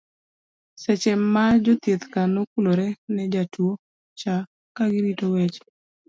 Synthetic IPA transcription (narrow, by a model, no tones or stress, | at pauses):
sɛt͡ʃɛmːad͡ʒɔt̪jet̪kanokuloɾɛnɛd͡ʒatwo | t͡ʃa | kaɡɪɾitowɛt͡ʃ